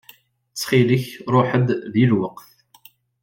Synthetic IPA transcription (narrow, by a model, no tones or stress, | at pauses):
t͡sːχiləçɾˤʊħəd̪ðilwəqθ